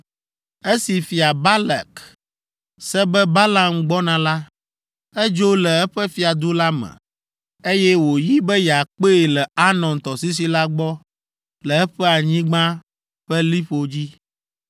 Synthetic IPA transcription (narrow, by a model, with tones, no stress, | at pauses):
e˦si˨fi˨a˨ba˦la̰˨k | sɛ˦bɛ˦ba˦la˨mɡ͡bɔ˦nã˨la˦ | ɛ˦d͡ʒo˦lɛ˨ɛ˦ɸɛ˦fi˨a˨d̪o˦la˦mɛ̰̃˨ | e˦jɛ˦wo˨ji˦bɛ˦ja˨k͡pe˦˨lɛ˨a˦nɔ̃˨nt̪ɔ˨si˦s̬i˦la˦ɡ͡bɔ˦ | lɛ˨ɛ˦ɸɛ˦a˨ɲĩ˦ɡ͡bã˦ | ɸɛ˦li˦ɸo˨d͡ʑi˦